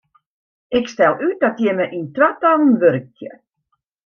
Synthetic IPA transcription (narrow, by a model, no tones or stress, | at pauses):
ɪkstɛlˠyt̚dɔtjɛməʔintʋatɔlˠn̩ʋørk̚tjə